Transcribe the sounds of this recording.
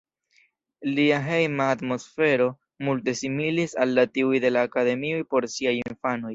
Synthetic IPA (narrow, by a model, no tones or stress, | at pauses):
liaɦe̞jmaːtmo̞sfe̞ɾo̞ | multe̞similisalːatiujde̞laːkade̞miojpo̞ɾsiajinfano̞j